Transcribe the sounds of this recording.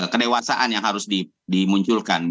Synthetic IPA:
kədewasaʔanjaŋhaɾʊsdi | dimuɲt͡ʃʊlkan

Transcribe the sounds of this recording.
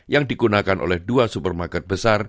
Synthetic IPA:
jaŋdiɡunakanʔo̰lɛhduasupərmarkɛt̪̚bəsar

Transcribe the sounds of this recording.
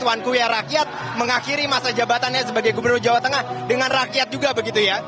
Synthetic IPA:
uankujarakiat̪̚ | məŋaxiɾimasad͡ʒabat̪anɲasəbaɡajɡubərnʊrd͡ʒawat̪əŋahdəŋanrakiat̪̚d͡ʒuɡabəɡit̪uja

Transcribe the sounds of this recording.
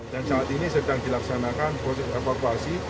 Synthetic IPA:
dansaːt̪inisədaŋdilaksanakanpɾosɛsefakuasi

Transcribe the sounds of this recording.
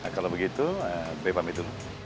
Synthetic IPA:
əkalobəɡit̪uəbebamit̪ulʊ

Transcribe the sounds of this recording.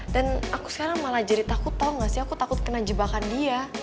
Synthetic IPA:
danaku̥sə̥kaɾaŋmalad͡ʒaɾit̪akʊt̪ːauŋɡasiakut̪akʊt̪̚kənad͡ʒəbakandia

